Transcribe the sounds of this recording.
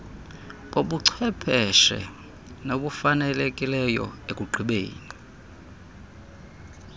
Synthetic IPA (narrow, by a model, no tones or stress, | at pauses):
ɓoɓuǀʰwɛpʰɛʃɛ̰ | noɓufanɛlekʼilɛjɔ̰ekʼuǃʱiɓḛːni